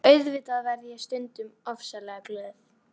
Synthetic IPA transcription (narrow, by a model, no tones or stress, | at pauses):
œɥðvɪːt̪aðvɛɾðɪjɛɣst̪ʏnt̪ʏmɔfsalɛɣaplœːθ